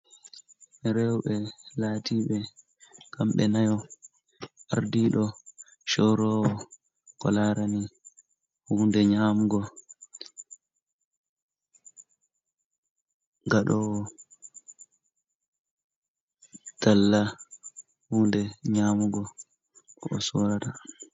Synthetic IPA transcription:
ɾɛwɓɛlaːtʰiːɓɛ | kamɓɛnajɔ | ʔaɾdiːɗɔ | ʃɔɾɔwɔ | kɔ̰laɾani | hundɛɲaːmuɡɔ | ɡaɗɔwɔ | d̥alːa | huːndɛɲaːmuɡɔ | ɔsɔɾata

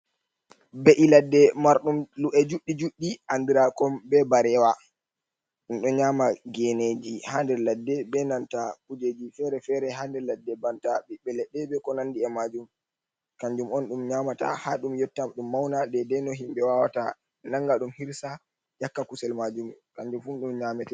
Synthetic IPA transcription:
beʔiladːɛmaɾɗumluʔɛd͡ʒuɗːid͡ʒuɗːiʔandiɾakɔmbɛbaɾɛwa | inɗɔɲaːmaɡɛned͡ʒihandɛɾladːɛbɛnantakud͡ʒed͡ʒifɛɾɛfɛɾɛɦandɛladːɛbantaɓiɓɛlɛɗːɛbɛkɔnandiɛmad͡ʒum | kaɲd͡ʒumɔnɗumɲaːmata̰haɗumjɔtːamɗumːawnadɛdɛnɔɦimbɛwawata | naŋɡaɗumhiɾsa | jakːakusɛlmad͡ʒumkaɲd͡ʒumfunɗumɲamɛtɛ

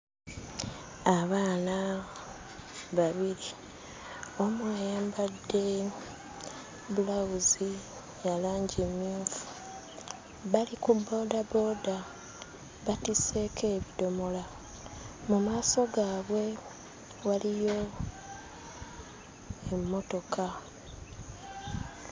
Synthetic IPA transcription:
aβaːna | βaβiɾi | omwajaːmbadːe̞ | βulawuzi | jalaːɲɟemjuːfu̥ | βalikubːo̞ːdabo̞ːda | βatise̞kʰe̞ːβido̞mo̞la | mumaːso̞ɡaːβwe̞ | walijo̞ | emːo̞to̞kʰa

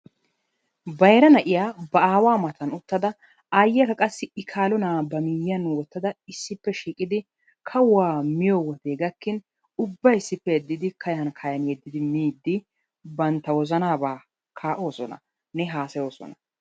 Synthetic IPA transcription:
bɐjɾɐnɐʔɪjaːbɐaːwaːmɐt̪ɐnʊt̪ːɐd̪ɐ | aːjːɛkɐkʼɐsːɪɪkʰaːlɔnaːbɐmiːjːɐnwɔt̪ːɐd̪ɐɪsːɪpːɛʃiːkʼɪd̪ɪ | kʰɐwaːmɪjɔwɔt̪eːɡɐkːɪn | ʊbːɐjɪsːɪpːɛjɛd̪ːɪd̪ɪkʰɐjɐnkʰɐjɐnjɛd̪ːɪd̪ɪmiːd̪ːɪ | bɐnt̪ːɐwɔzɐnaːbaː | kʰaːʔo̞ːsɔ̰nɐ̰ | nɛɦaːsɐjo̞ːsɔ̰nɐ

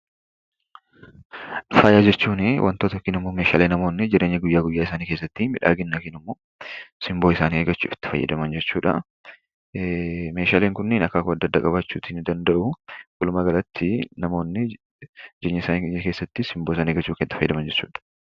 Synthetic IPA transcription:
fɐːjaːd͡ʒɛt͡ʃːuːnɪwʔɐ̰nt̪oːt̪ɐkɪnɪmːoːmeːʃa̰ːleːnɐmo̞ːnːɪd͡ʒɛɾe̞ːɲːɐɡʊjːaːɡʊjːaːɪsaːniːke̞ːsːɐt̪ːimɪᶑa̰ːɡɪnːɐkɪnɪmːo̞ː | sɪmboːɪsaːnieːɡɐt͡ʃːṵːfɪ̥t̪ːɪ̥fɐjːɐ̰d̪ɐmɐnd͡ʒɛt͡ʃːuːᶑɐ̰ | me̞ːʃaːleːŋkʊnːeːnɐkːɐkʊɐd̪ːɐd̪ːakʼɐbat͡ʃːuːt̪ind̪ɐnd̪ɐʔʊkʊlʊmɐɡɐlɐt̪ʰːɪnɐmo̞ːnːɪ | d͡ʒeɲːɐɪsaːnikeːsːɐt̪ːɪsɪmboːɪs̬aːneːɡɐt͡ʃːuːkɐt̪ːɪfɐj̰ːd̪ɐmɐnd͡ʒɛt͡ʃːuːᶑɐ̥

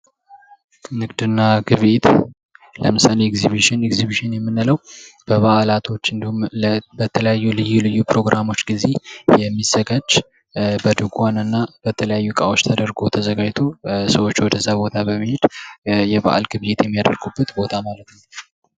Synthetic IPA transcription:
nɨɡd̪ɨnːaɡɨβet̪ | lə̰mɨsaleɛɡziβiʃɪnɛkziβiʃɪnjɛmːɨnːaləwb̥əβaʔalat̪ʰo̞t͡ʃːɨnd̪ihumbət̪ʰələjajːulɨjːulɨjːupɾo̞ɡɾʔamo̞t͡ʃːɡize̞jɛmːizːəɡad͡ʒ | bəd̪ɨɡanɨnːab̥ət̪ʰələjajːukʼawot͡ʃːt̪ʰəd̪əɾɡo̞t̪ʰəzəɡad͡ʒt̪ʰosəwot͡ʃːwɔd̪əzabo̞t̪ʰabəmihed̪̥jɛba̰ʔa̰lɡɨβet̪jɛmːijad̪əɾɡubːət̪bo̞t̪ʰamalət̪nəw

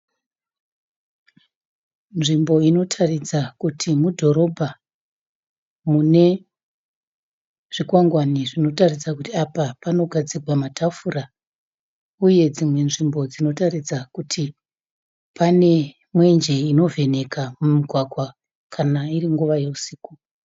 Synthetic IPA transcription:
nʐimbo̞ino̞tʰarid͡zakutʰimudʱo̞ɾo̞bʱa | mune̞ | ʐ̥ikwaŋɡwaniʐino̞tarid͡zakutiapapano̞ɡʱad͡ziɡʱwamatafura | uje̞d͡zimwe̞nʐimbo̞d͡zino̞tarid͡zakutʰi | pane̞ | mwe̞nd͡ʒe̞ino̞ve̞ne̞kamumiɡʱwaɡʱwa | kʰanairiŋɡuʋaje̞usiːku

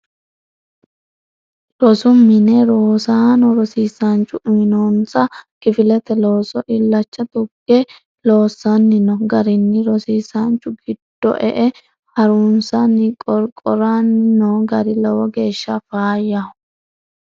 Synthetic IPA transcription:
lɔsʊmːɪnɛɾoːsaːnɔɾɔsiːsɐnt͡ʃːʊʔɪmɪnonsɐkɪfɪlɛt̪ɛloːsɔʔɪlːɐt͡ʃːɐt̪ʊɡɛ | lo̞ːsːɐnːɪnɔɡɐɾɪnːɪɾɔsiːsɐnt͡ʃːʊɡɪd̪̥ːɔ̰ʔɛʔɛ | hɐɾunsɐnɪkʼɔɾkʼɔɾanːɔɡɐɾɪlɔwɔɡe̞ːʃːɐfaːjɐ

